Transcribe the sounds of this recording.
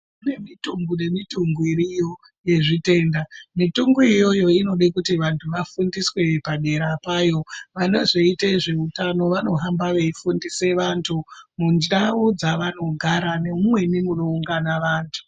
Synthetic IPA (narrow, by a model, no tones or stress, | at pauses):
ne̞mituŋɡune̞mituŋɡiɾijo̞ | je̞ʐite̞ːndamituŋɡuijo̞jo̞ino̞ɗekutiʋantʰuʋafundiswe̞paɗe̞ɾapajo̞ʋano̞ʐo̞iteʐe̞utano̞ʋano̞ɦambaʋe̞ifundise̞ʋantʰumunaud͡zaʋano̞ɡʱaɾane̞umwe̞nimunouŋɡanaʋaːntʰu̥